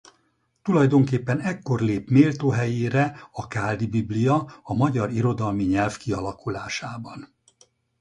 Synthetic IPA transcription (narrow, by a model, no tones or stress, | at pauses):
t̪ulɒjd̪o̞ŋkeːpːɛnɛkːo̞rleːpmeːlt̪oːɦɛjeːɾɛɒkaːld̪ibiblijɒɒmɒɟɒɾiɾo̞d̪ɒlmiɲɛlfkiɒlɒkulaːʃaːbɒn